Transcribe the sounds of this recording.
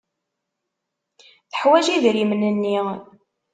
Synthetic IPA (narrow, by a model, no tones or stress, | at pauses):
θəħwæʒiðɾimnənːi